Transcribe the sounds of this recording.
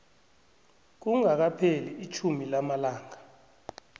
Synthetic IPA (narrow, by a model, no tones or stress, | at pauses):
k̬uŋak̬apʰeliit͡ʃʰumilamalaːŋa